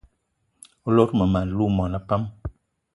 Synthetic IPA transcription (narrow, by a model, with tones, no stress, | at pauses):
u˦lo˦ɾmə˨ma˨n˨˦lu˦mɔ˨na˦pa˦m